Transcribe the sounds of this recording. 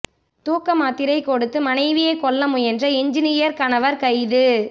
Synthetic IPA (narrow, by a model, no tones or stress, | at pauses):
t̪uːkːɐmaːt̪ːɪɾɐɪkːɔɽɯt̪ːɯmɐnɐɪʋɪjekɔɭːɐmɯjɛndrɐɪɲd͡ʒɪnɪjɐɾkɐnɐʋɐɾkɐɪðɯ